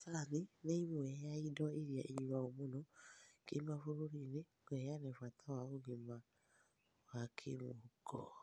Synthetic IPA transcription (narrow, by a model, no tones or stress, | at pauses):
sanineimoɛjaidɔiɾjaʔiɲiwaomonokemafuɾuɾine | ɡɛjanɛfatʰawaoɡima | wakʰḛmokʰɔ̰